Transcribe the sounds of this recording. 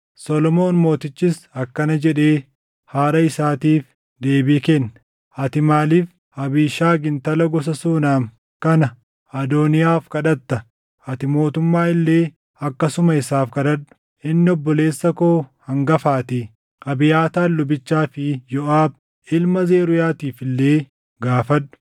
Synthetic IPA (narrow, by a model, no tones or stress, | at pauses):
sɔlɔmo̞ːnmo̞ːt̪ɪt͡ʃːɪsɐkːɐnɐd͡ʒɛᶑe̞ː | haːɾɐɪsaːt̪iːf | d̪e̞ːbikɛnːɐ | ɐt̪ɪmaːliːf | ɐbiːʃaːɡɪnt̪ɐlɐɡɔs̬ɐsuːnaːm | kɐnɐ | ɐd̪oːnɪjaːfkɐᶑɐt̪ːɐ | ɐt̪ɪmo̞ːt̪ʊmːaːɪlːe̞ː | ɐkːɐsʊmɐɪsaːfkɐᶑɐᶑʊ̥ | ʔɪnːɪɔbːɔle̞ːsːɐkoːhɐŋɡɐfaːt̪ɪ | ʔɐbɪjaːt̪aːlːʊbɪt͡ʃːaːfɪjɔʔaːb̚ | ɪlmɐze̞ːɾʊjaːt̪iːfɪlːe̞ː | ɡaːfɐᶑʊ̥